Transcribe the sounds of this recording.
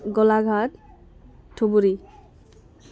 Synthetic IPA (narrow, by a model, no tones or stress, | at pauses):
ɡɔlaɡʱaʈ | ʈʰːobuɾi